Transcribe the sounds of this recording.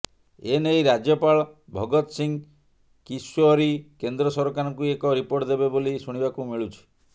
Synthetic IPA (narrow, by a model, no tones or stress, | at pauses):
enejɾad͡ʒjɔpaɭbʱɔɡɔt̪siŋ | kisɔɾikend̪ɾɔsɔɾɔkaɾɔŋkuekɔɾipoɾʈd̪ebebolisuɽ̃ibakumiɭut͡ʃʰi̥